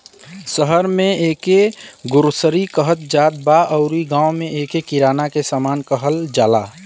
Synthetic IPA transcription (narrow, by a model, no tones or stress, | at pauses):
səɦəɾmẽeːkeɡʊɾsəɾikəɦət̪̚d͡ʒaːt̪̚baəʊɾiɡãːwmẽʔeːkekiɾaːnakesaːmaːnkəɦəld͡ʒaːla